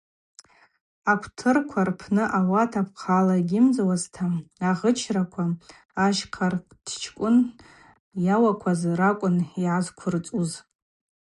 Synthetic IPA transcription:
akʷʰtʰɨrkʷʰarpʰnɨʔawatʰapʰqʰalaɡʲɪmd͡zawaztʰaːʁət͡ʃʰrakʷʰaː | ʃqʰard̥ʰt͡ʃʰkʷʼʊn | jawakʷʰazrakʷʼʊniʕazkʷʰʊrt͡sʼuz

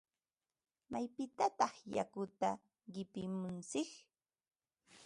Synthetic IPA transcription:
majpɪt̪at̪ɑχja̰kʊt̪a | ɢɪpɪmʊnt͡sɪk

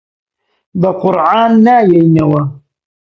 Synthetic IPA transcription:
baqʊɾʕaːnːaːjajnawa

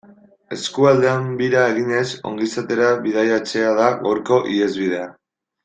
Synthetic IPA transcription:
e̞skuald̪e̞ambiɾae̞ɣ̞ine̞so̞̰ŋɡisat̪e̞ɾaβiðajat͡se̞að̞aɣa̰wɾko̞ʔie̞zβið̞e̞a

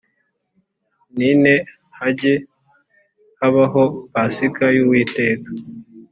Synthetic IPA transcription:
nine | haɟe | haβaɦoβasikajuwiːte̞ːkḁ

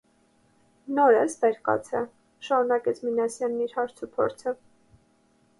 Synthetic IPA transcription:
nɔɾəsbɛɾkɑ̰t͡sʰɛ | ʃɑɾunɑkɛt͡sʰminɑsjɑnːiɾhɑɾt͡sʰupʰɔ̰ɾt͡sʰə

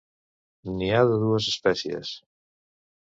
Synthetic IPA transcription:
niaðeðuesespɛθjḛs

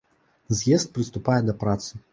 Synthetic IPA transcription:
zʲjɛst̪̚pɾɨst̪upajɛd̪ɐpɾat̪sɨ

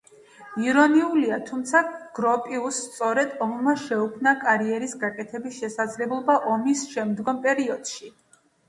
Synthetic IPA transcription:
iɾɔniuliat̪ʰumt̪sʰaɡ̥ɾɔpʼiusːt̪sʼɔɾɛd̪̥ɔmmaʃɛukʰmnakʼaɾiɛɾisɡakʼɛt̪ʰɛbisʃɛsad̪zlɛblˠɔbaʔɔmisʃɛmd̪ɡɔmpʼɛɾiɔd̪̥ʃi

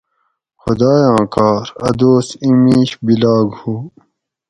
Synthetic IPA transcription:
xʊd̪aːjãːkaːɾɐd̪oːsimĩːɕbilaːɡhuː

